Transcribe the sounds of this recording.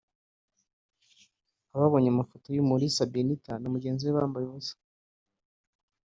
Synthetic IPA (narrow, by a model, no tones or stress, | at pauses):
aβaβo̞ːɲamafotojumuɾisabinitanomuɟe̞ːnziweβaːmbajeβusḁ